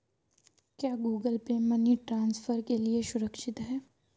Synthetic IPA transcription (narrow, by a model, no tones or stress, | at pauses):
kjaːɡuːɡəlpemɐniʈɾãːnsfʰəɾkelieʃʊɾəkʃɪt̪ɦɛː